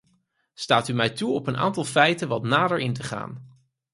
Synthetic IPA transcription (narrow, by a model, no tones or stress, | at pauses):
staːtymɛjtuɔpənʔa̰ːntɑlˠfɛjtənʋɑtnaːdəɹɪntəχa̰ːn